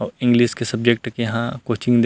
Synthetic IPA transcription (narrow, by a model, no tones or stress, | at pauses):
ɔːɾɪ̃ŋɡliːskesɐb̚d͡ʒek̚ʈkejɐɦãkoːt͡ʃɪ̃ŋɡd̪